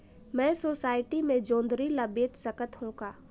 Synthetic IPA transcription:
mɛ̃ːsoːsaːɪʈimẽd͡ʒõːnd̪ɾilabeːt̪səkət̪ɦõːkaː

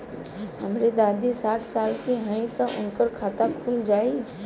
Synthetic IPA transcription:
ɦəmɾed̪aːd̪isaːʈʰsaːlt̪iɦãĩt̪ɐʔʊ̰nkəɾkʰaːt̪akʰuːld͡ʒaːi

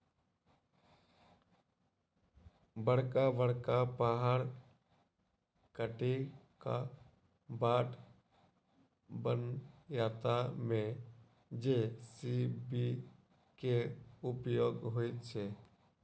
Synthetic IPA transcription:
bəɽ̤kabəɽkapaːɦaɾ | kəʈi | ka | baːʈ | bənjaːt̪amẽ | d͡ʒesibi | keʊpjoːɡɦoit͡ʃʰe

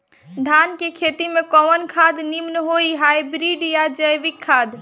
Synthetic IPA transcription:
d̪ʱankekʰet̪imekɔmənkʰad̪nimnəɦoiɦajbɾiɖjad͡ʒəjʋikʰːad̪

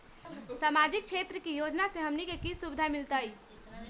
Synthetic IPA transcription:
samad͡ʒik̚t͡ʃʰet̪ɾəkijod͡ʒnasẽɦəmnikekisubid̪ʱamilt̪əj

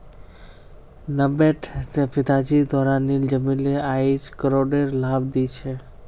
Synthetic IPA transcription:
nəbeʈʰspɪd̪ad͡ʒid̪ɔɾanːild͡ʒəmileaid͡ʒkəɾoɖeɾlabd̪it͡ʃʰe

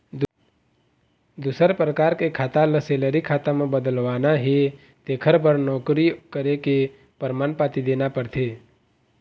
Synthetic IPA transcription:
d̪usəɾpɾəkaːɾkekʰaːt̪aləseːləɾikʰaːt̪amẽbəd̪əlʋaːnaɦe | t̪eːkʰəɾpəɾnɔːkɾikəɾeke | pəɾmaːnpaːt̪id̪eːnapəɾt̪ʰeː

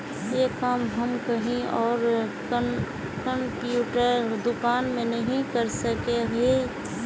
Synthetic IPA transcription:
jekamɦɐmkɐɦĩɔːɾ | kə̃mpjuːʈəɾd̪ʊkaːnmẽnɐɦĩkəɾsəkeɦe

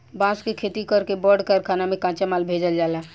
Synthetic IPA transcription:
bãskekʰet̪ikəɾkebəɖkəɾkʰanamẽkãt͡ʃemalbʱed͡ʒəld͡ʒala

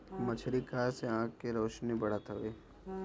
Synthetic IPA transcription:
mɐt͡ʃʰɾikaseãːkːeɾoːʃnibɐɽ̤at̪ʰɐʋeː

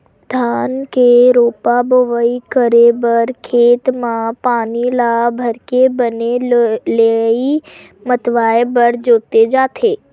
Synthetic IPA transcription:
d̪ʱaːnkeɾoːpaboʋəikəɾebəɾkʰeːt̪mãpaːnilabʱəɾkebənelei | mət̪ʋaːebəɾd͡ʒoːt̪ed͡ʒaːt̪ʰeː

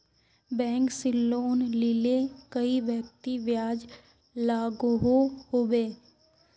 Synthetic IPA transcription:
bɛ̃ːŋksɪlːoːnlɪlekəiʋjək̚t̪iʋjaːd͡ʒ | laːɡɦohoːbeː

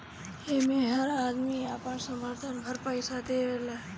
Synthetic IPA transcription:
hemẽɦəɾaːd̪miapəɳsəməɾt̪ʰənbʱəɾpəɪsat̪eɾela

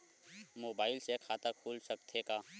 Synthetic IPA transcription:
moːbaːɪlsekʰaːt̪akʰuːlsəkt̪ʰekaː

